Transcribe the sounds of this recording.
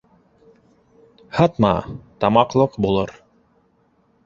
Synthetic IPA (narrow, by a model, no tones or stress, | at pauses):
hɑt̪mɑ̰t̪ɑmɑqlˠɤqbulˠɤɾ